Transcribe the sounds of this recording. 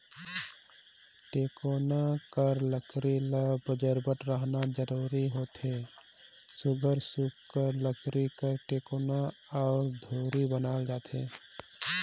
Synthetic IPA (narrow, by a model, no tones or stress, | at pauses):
ʈeːkoːnakəɾləkɾiləbəd͡ʒəɾbəʈɾəɦnad͡ʒəɾuːɾiɦoːt̪ɦe | sʊɡʱəɾsukkəɾləkɾikəɾʈeːkoːnaaːɾd̪ʱoːɾibənaːld͡ʒaːt̪eː